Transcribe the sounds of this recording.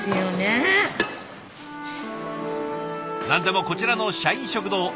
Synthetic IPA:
ɨjone | nãnd̪e̞mo̞ko̞t͡ɕiɾanoɕaĩɕo̞kɯ̟no

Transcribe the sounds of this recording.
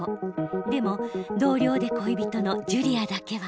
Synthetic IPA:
od̪e̞mo̞d̪o̞ːɾʲo̞ːd̪e̞koibʲit̪o̞no̞d͡ʑɯɾʲiad̪ake̞βa

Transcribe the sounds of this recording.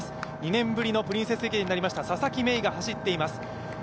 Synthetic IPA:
sɨ̥ɲ̟inẽ̞mbɯ̟ɾʲino̞pɯ̟ɾʲĩɰ̃se̞sɨekʲeɲːinaɾimaɕi̥t̪asasakʲime̞iɡahaɕit̪ːe̞imasɨ̥

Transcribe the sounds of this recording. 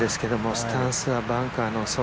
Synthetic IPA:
d̪e̞sɨ̥ke̞d̪omost̪ʰãnsɨabãŋkanoso

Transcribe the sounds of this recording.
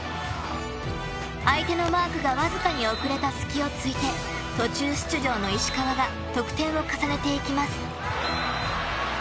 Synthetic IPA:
ait̪e̞no̞maːkɯ̟ɡaβazɨkaɲ̟io̞kɯ̟ɾe̞t̪asɨ̥kʲio̞t͡sɨit̪e̞ | t̪o̞t͡ɕɨːɕɨ̥t͡sɨʑo̞ːno̞iɕi̥kaβaɡa | t̪o̞kɯ̟̥t̪ẽ̞ɰ̃o̞kasane̞t̪e̞ikʲimasɨ̥

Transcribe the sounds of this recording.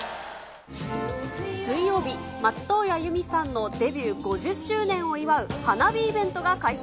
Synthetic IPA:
sɨijo̞ːbʲimat͡sɨ̥t̪o̞ːjajɯ̟mʲisãnːo̞d̪e̞bʲɨːɡo̞ʑɨɕːɨːnẽ̞ɰ̃o̞iβaɯ̟hanabʲiːbẽ̞nt̪o̞ɡakais

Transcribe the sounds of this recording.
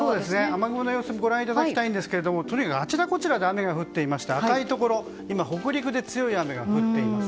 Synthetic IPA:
soːd̪esɨne̞amaɡɯmɯnojo̞ːsomiɡo̞ɾãɰ̃it̪ad̪akkʲit̪aĩnd̪e̞sɨ̥ke̞ɾe̞d̪o̞mo̞t̪o̞ɲ̟ikakɯat͡ɕid̪ako̞t͡ɕiɾad̪e̞ame̞ɡaɸɯ̟t̪ːe̞imaɕi̥t̪eak̪ait̪o̞ko̞ɾo̞ | imaho̞kɯ̟ɾʲikɯ̟d̪e̞t͡sɨjo̞iame̞ɡaɸɯ̟t̪ːe̞imasɨ̥

